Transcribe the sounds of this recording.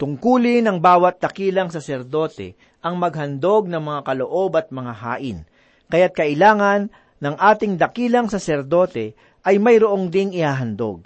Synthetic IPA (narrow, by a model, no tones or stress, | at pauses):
t̪ʊŋkuːlɪnɐŋbaːwɐt̪̚d̪ɐkiːlɐŋsɐsɛɾd̪o̞ːt̪ɛ̰ | ʔɐŋmɐɡ̚hɐnd̪o̞ɡ̚nɐŋmɐŋakɐloʔo̞bɐt̪̚mɐŋaɦa̰ːʔɪn | kɐjat̪̚kɐʔɪlaːŋɐnː | ɐŋʔaːt̪ɪŋd̪ɐkiːlɐŋsɐsɛɾd̪o̞ːt̪ɛ | ʔɐjmɐjɾoʔoŋd̪ɪŋɪhaːɦɐnd̪o̰ɡ̚